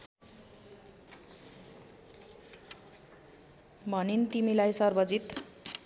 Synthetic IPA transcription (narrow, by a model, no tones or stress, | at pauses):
bʱʌnint̪imilajsʌrbʌd͡zit̪